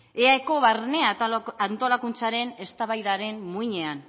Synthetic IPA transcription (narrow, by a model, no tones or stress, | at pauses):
eaeko̞βaɾne̞aant̪o̞lakunt͡saɾe̞ne̞st̪aβajðaɾe̞nmuiɲe̞an